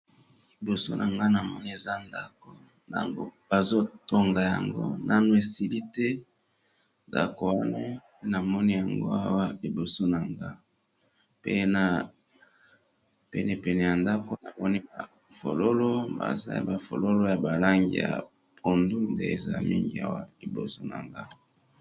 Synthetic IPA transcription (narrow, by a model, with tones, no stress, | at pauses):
li˨bo˨so̰˦nʔa˨ŋɡa˦na˨mɔ˦ni˦e˨za˦nda˨ko˨ | na̰˨ŋɡo̰˦b̥a˨zo˦to˦ŋɡa˨ja̰˨ŋɡo̰˦nʔa˦nwe˨si˦li˦tɛ˦ | nda̰˨ko˨wa˦na˦pe˦na˨mɔ˦ni˦ja˨ŋɡo̰˦a˦wa˦i˨bo˨so˦na˨ŋɡa˦ | pḛ˦na˦ | pɛ̰˦ne˨pɛ˨nɛ˨ja˨nda˦ko˦na˨mɔ˦ni˦ba˨ | fo̰˨lo˦lo˦ba̰˨za̰˦ja̰˨ba˨fo̰˨lo˦lo˦ja˨ba˨la˦ŋɡḭ˨ja̰˨ | po˨ndu˦ndḛ˦ḛ˨za̰˦mi˦ŋɡḭ˦a̰˦wa˦li˨bo̰˨so˦na̰˨ŋɡa˦